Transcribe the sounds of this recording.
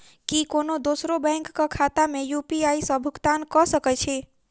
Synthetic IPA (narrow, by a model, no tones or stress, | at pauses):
kikonod̪osɾobɛ̃ŋkːakʰat̪amejupiaisə̃bʱukt̪ankɔsəkɛt͡ʃʰe